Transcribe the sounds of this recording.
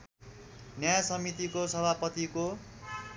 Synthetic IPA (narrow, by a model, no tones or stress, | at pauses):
njajasʌmit̪ikosʌbʱapʌt̪iko